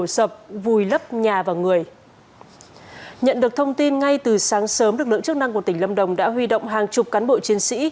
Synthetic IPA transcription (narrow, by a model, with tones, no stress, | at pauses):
sə˨˩p̚vu˨˩jlə˦˥p̚ɲaː˨˩vaː˨˩wŋɨ˨˩əj | ɲə̰˧˨nɗɨ˨˩ək̚t̪ʰə˧wŋ͡mt̪i˧nŋa˧jt̪ɨ˨˩saː˨˦ŋsəː˨˦mɗɨ˨˩k̚lɨ̰˧˨ŋt͡ɕɨ˦˥k̚na˧ŋkət̪ï˧˩ŋ̟lə˧mɗə˨˩wŋ͡mɗa̰ː˧˥ɦwi˧ɗo̰˧˨wŋ͡mɦaː˨˩ŋt͡ɕʊ˨˩k͡p̚kaː˨˦nɓo̰˧˨t͡ɕi˨˦ənsḭ˧˥